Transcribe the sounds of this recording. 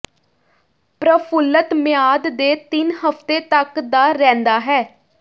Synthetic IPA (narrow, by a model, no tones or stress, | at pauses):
pɾəpʰʊlːət̪mɪjaːd̪d̪eːt̪ɪnɦəft̪eːt̪əkd̪aːɾɛ̃ːnd̪aːɦɛː